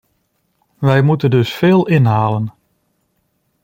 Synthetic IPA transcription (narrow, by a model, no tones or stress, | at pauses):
ʋɛjmutədɵsfɪːlˠɪnɦaːlən